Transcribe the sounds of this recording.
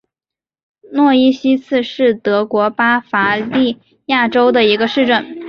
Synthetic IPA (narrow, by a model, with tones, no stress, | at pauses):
nwɔ˥˩i˥ɕi˥t͡sʰɹ̩˥˧ʂɻ̩˥˩t̪ɤ˧˥kwɔ˧˥pa˥fa˧˥li˥˧ | ja˥˩ʈ͡ʂo˥ʊd̪ə˨i˧˥ɡə˧ʂɻ̩˥˧ʈ͡ʂə˥˩n